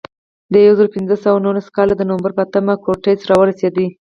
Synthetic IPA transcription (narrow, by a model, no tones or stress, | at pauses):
d̪əjawzəɾopɪnzəsawanulaskɑlad̪ənowambaɾpəat̪əmakoʈejsɾɑwəɾased̪i